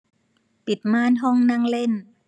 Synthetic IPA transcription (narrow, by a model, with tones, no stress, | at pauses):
pi˨˩t̪̚maː˥˨nɦɔ˥˩ŋnaː˥˩ŋle˥˩n